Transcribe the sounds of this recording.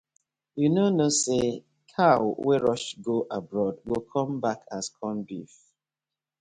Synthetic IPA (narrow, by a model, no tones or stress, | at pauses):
junonose | kʰawwɛɹɔʃɡoʔabɹɔdɡokʰɔ̃mbakʰaskʰɔ̃nbif